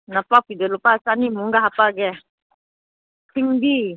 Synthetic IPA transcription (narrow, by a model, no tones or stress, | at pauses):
napapidɛlopasanimuŋɡaɦapaɡɛ | tiŋbi